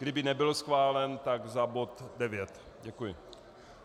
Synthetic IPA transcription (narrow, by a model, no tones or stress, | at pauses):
ɡdɪbɪnɛbɪlsxvaːlɛnt̪aɡzabot̪dɛvjɛt̪ | ɟɛkujɪ